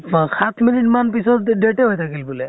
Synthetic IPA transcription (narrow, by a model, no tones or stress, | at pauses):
kʰat̪ʰminiʈmanpisɔt̪ɖeʈeɦojt̪ʰakilbulɛ